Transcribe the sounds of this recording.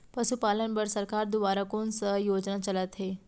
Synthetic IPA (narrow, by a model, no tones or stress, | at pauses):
pəsupalãnbəɾsəɾkaɾd̪uʋaɾakonsəjod͡ʑnat͡ɕəlat̪ɦe